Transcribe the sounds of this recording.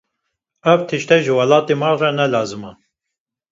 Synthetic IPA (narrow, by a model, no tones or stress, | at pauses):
ɛvt̪ʰɨʃt̪ɛʒɨwɑlɑːt̪emɑrɛnɛlɑːzɨmɑ